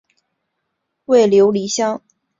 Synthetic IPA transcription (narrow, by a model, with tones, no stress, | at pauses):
we˥˩ɪljo˧˥ʊli˧˥ɕjɑ˥ŋ